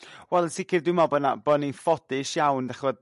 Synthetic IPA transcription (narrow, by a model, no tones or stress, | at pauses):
wɛlˠənsɪkɪrdɪmɔbənabəninfɔdɪʃjawndaχvɔd